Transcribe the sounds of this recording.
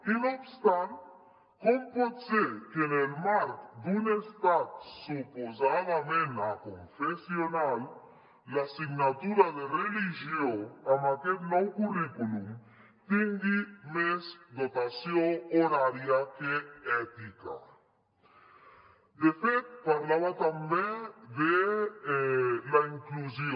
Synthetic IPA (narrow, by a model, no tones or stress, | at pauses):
inobst̪ant̪ | kompot̪sekenelmaɾk̪d̪unest̪at̪̚supozavamenakoɱfesionalː | asiɡnat̪uɾad̪eɾelid͡ʒioamaked̪nowkuɾikulum | t̪iŋɡimezd̪ot̪asjooɾaɾjakeɛt̪ika̰ | d̪efet̪paɾlaβat̪ambed̪e | laiŋkluzio